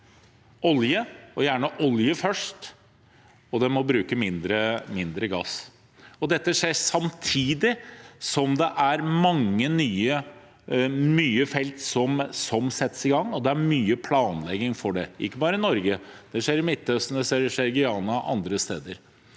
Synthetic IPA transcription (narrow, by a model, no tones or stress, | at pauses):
ɔljəɔjæːɳəʔɔljəfœʂt | ɔd̪ɛmɔbɾʉːkəmɪnd̪ɾəmɪnd̪ɾəɡɑ̰ːs | ɔd̪ɛt̪ːəʂeːsɑmt̪ʰiːd̪ɪsɔmd̪ɛʔæɾmɑŋːənyːə | myːəfɛlt̪sɔmsɔmsɛt̪ːə̥sɪɡɑŋːɔd̪ɛæɾmyːəpʰlɑːnlɛɡɪŋfɔɖɛʔɪ̰kːəbɑːɾəɪnɔɾɡəd̪̥ɛʂeːɾɪmɪt̪ːœst̪n̩ɛʂeɾɛʂeːɾɡɪɑːnɑʔɑ̰nd̪ɾəst̪eːd̪əɾ